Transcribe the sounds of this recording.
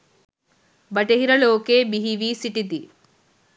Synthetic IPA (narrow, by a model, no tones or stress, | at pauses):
bɐʈeɦiɾɐloːkeːbiɦiʋisiʈit̪i